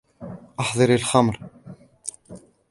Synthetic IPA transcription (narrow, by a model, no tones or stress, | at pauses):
ʔɑħðˤɨɾəlxɑmɾ